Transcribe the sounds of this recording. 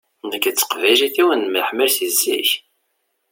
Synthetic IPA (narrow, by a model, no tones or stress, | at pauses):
nəkːət͡sːə̥qvæjʒiθiwənməħmiɾθizːḭç